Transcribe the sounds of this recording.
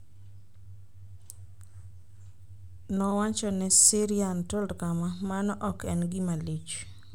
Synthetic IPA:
nɔwat͡ʃɔnɛsiɾiantɔldkamamanɔʔɔkɛnɡɪmalet͡ʃ

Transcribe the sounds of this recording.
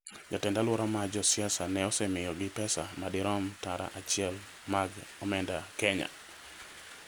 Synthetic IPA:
d͡ʒatɛndalwɔɾamad͡ʒɔsjasanɛɔsɛmɪjɔɡɪpɛsamadɪɾɔmtaɾa̰ʔat͡ʃɪɛl | maɡɔmɛndakɛɲa̰

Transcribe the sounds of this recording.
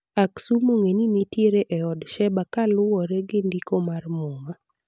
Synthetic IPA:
aksumoŋeninitjeɾeʔɛɔdʃɛbakalʊwɔɾɛɡɪndikomarmoŋa

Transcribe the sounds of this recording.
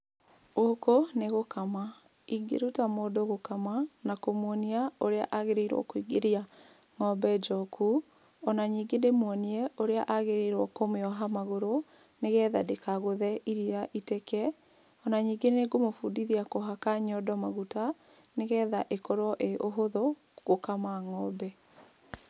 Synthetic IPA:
okoneɣokama | iɡḛɾutamoːdoɣokamanakomwɔniaoɾea̰ʔaɣeɾeiɾwɔ̰koiɡeɾia | ŋɔbɛd͡ʒɔkʰu | ɔnaɲiːɡendemwɔniɛoɾeaʔaɣeɾeiɾwɔkomeɔɦamaɣoɾo | neɣɛːðadekaɣoðɛʔiɾiaʔitekɛ | ɔnaɲiːŋɡenneɡomofudiɾiakoɦakaɲɔdɔmaɣuta | neɣɛðaʔekɔɾwɔʔeʔoɦoðɔ | ɣokamaŋɔbɛ

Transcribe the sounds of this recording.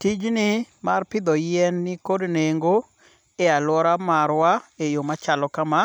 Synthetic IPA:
tid͡ʒnɪmarpɪd̪ɔjɛnːɪkodneŋɡo | ealwɔɾamaɾwaejomat͡ʃalɔkama

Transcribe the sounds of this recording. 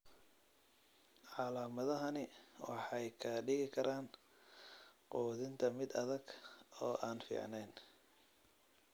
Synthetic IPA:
ʕɑlaːmɐðɐɦɐnɪwɑħɑjkʰɐɖɪɣɪkʰɐɾaːn | qɔːðɪnt̪ʰɐmɪd̪ɐ̰ðɐɡɔːʔaːnfḭːʕnɛjn

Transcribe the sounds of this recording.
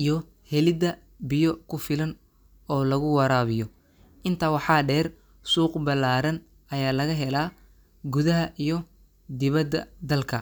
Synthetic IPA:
ijɔ | hɛlɪd̪ɐ | bɪjɔkʰʊfɪlɐn | ɔːlɐɣʊwɐɾaːβɪjɔ | ʔɪnt̪ʰɐwɑħɑːɖɛːr | suːqbɐlaːɾɐn | ɐjaːlɐɣɐɦɛlaː | ɡuðɐɦɐʔijɔ | d̪ɪβɐd̪ːɐ̰d̪ɐlkʰɐ

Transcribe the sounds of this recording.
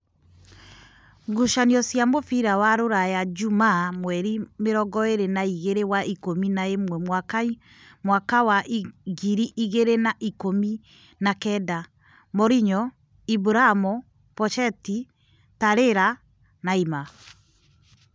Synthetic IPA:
ɡuʃaniɔsjamofiɾawaɾoɾajad͡ʒumamwɛɾimeɾɔɡɔeɾenaiɣeɾewaikominaemwɛwak | mwakawaɡiɾiʔiɣeɾenaʔikomi | nakɛda | mɔɾiɲɔ | ibuɾamɔ | pɔt͡ʃɛti | taɾeɾa | naima

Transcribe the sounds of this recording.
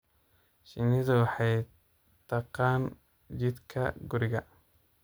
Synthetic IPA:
ʃɪnɪðʊwɑħɑj | t̪ʰɑqɑːn | d͡ʒɪd̪kʰɐ̰ɡʊɾɪɣɐ

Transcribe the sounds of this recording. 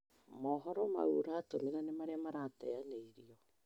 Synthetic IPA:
mɔɦɔɾɔma̰ṵɾaːtomeɾanemaɾeamaɾatɛ̰aneiɾiɔ

